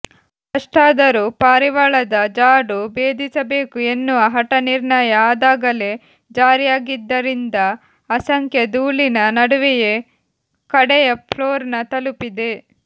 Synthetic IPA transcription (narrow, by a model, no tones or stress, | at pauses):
kɐʂʈaːd̪ɐɾupaːɾiʋaɭɐd̪ɐd͡ʒaːɖubeːd̪ʱisɐbe̞ːkue̞nːuʋɐɦɐʈɐniɾɳɐjɐaːd̪aːɡɐle̞ | d͡ʒaːɾijaːɡid̪ːɐɾind̪ɐː | sɐŋkʰjɐd̪uːlinɐnɐɽuʋɛje̞ | kɐɽɛjɐpʰloːɾnɐt̪ɐlupid̪e̞